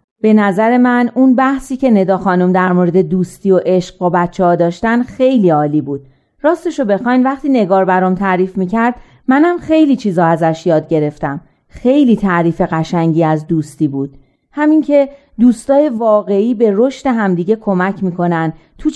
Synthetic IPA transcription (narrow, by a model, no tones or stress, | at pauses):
b̥e̞næzæɾe̞mænunbæhsiːcʰe̞ne̞d̪ɒːxɒːnumd̪æɾmoɾe̞d̪e̞d̪uːst̪iːo̞ʔe̞ʃɢvobæt̪t͡ʃʰːehɒːd̪ɒːʃt̪ænxe̞jliːɒːliːbuːd̪̥̚ | ɾɒːst̪eʃo̞be̞xɒjnvæχt̪iːne̞ɡɒːɾbæɾomt̪ʰæʔɾiːfmiːcʰæɾd̪̥ | mænæmxe̞jliːt͡ʃʰiːzɒːæzæʃjɒːd̪̚ɟe̞ɾe̞ft̪æm | xe̞jliːt̪ʰæʔɾiːfe̞ɣæʃæŋɟiːæzd̪uːst̪iːbuːd̪̥ | hæmiŋcʰe̞ | d̪uːst̪ɒːje̞vɒːɣe̞iːbe̞ɾo̞ʃt̪e̞ɦæmd̪iːɟe̞kʰo̞mæcʰmiːkʰo̞næn | t̪ʰu